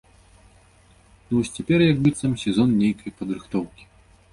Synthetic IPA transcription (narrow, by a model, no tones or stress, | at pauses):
nuvɔsʲt͡sʲɛpʲɛrjɐɡbɨt̪sɐmsʲɛzɔnnʲejkɐjpɐd̪ɾɨxt̪ɔwkʲi̥